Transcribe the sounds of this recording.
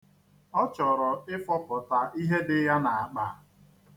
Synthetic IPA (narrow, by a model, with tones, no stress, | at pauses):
ɔ˦t͡ʃɔ˨ɾɔ˨ɪ˦fɔ˦pɔ˨ta˨ʔi˦ɦe˦dɪ˦ja˦na˨a˨k͡pa˨